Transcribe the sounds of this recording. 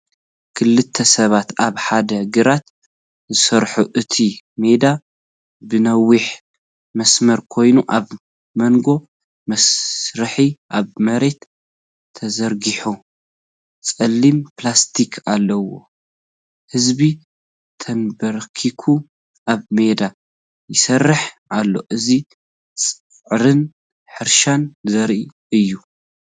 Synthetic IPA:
kʰɨlːɨt̪ʰːɐsɐβat̪aβħad̪ɐɡɨɾat̪ | zɨsɐɾħuʔɨt̪ʰime̞d̪a | bɨnɐwːiħ | mɐsmɐɾkʰo̞jnuʔaβ | mɐŋɡo̞ | mɐsɾɨħiʔaβmɐɾe̞t̪ʰː | ɐzɐɾɡiħu | t͡sʼɐlːimplast̪ʰikʰalːɐwo̞̰ | hɨzbi | t̪ʰɐmbɐɾkʰikʰu | ʔaβme̞d̪a | jɪsɐrːɨħ | alːo̞̰ʔɨzi | t͡sʼɨ | ʕɾɨn | ħɨɾʃanzɐɾʔi | ɨjːu

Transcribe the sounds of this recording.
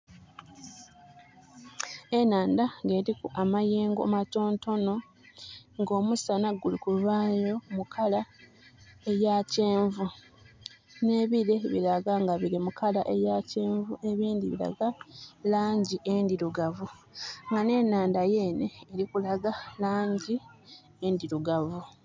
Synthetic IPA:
e̞naːndaŋɡe̞ːɾikuʔamajeːŋɡo̰mato̞ːnto̞no̞ | ŋɡo̞ːmusanaɡulikuβaːjo̞mukʰala | ejace̞ːɱvu | ne̞ːβiɾe̞βḭɾaɡaŋɡaβiɾimukʰalaʔe̞jace̞ːɱvue̞βiːndiβḭɾa̰ɡalaːɲɟiʔendiɾuɡavu | ŋɡane̞naːndaje̞ːneːɾikulaɡalaːɲɟi | endiɾuɡavu

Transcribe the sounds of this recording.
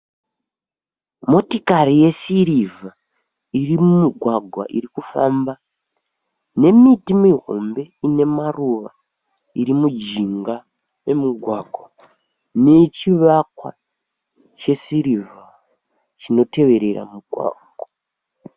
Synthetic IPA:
mo̞tikaɾije̞siɾiva | irimumuɡʱwaɡʱwa̰ʔiɾikufaːmba | ne̞mitimiɦo̞̰mbe̞ine̞maruʋa̰ | iɾimud͡ʒiŋɡa | e̞muɡʱwaɡʱwa | ne̞t͡ʃiʋakwa̰ | t͡ʃe̞siɾiva | t͡ʃino̞te̞ʋe̞ɾe̞ra̰muɡʱwa̰ːɡʱwa

